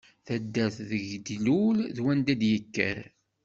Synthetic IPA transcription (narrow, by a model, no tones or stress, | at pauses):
θæd̪ːæθðəʝd̪lulðwænd̪æd̪jəkːə̰ɾ